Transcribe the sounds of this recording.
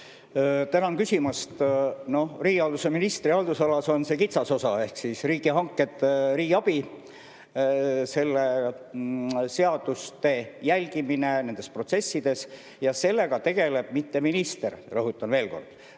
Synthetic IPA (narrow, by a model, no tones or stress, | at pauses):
t̪ænɑnkysʲimɑst̪no̞hriːɡiɑld̪use̞minist̪riɑld̪usɑlɑso̞nse̞kit̪sɑso̞sɑe̞hksisriːɡiɦɑŋkːˑe̞t̪ːˑɾiːɡɑb̥i | se̞lːe | se̞ɑd̪̥ust̪e̞jælʲɡ̥imine̞ne̞nd̪e̞spro̞t̪se̞sːid̪e̞s | jɑse̞lːe̞ɡ̥ɑt̪e̞ɡ̥e̞le̞b̥̚mit̪ːe̞minist̪e̞rrɤɦut̪ːˑɑnve̞ːlko̞̰rd̪̥